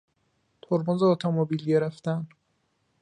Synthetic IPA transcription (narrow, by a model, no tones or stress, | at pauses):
t̪ʰoɾbonzeot̪ʰomobilɟeɾeft̪æn